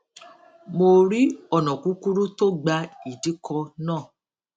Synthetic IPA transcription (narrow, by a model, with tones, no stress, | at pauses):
mo˧ɾi˦ɔ˦˨nɔ̃˨kũ˨˦ku˦ɾu˦to˦ɡ͡ba˧i˨di˨˦kʰɔ˧nãː˦˨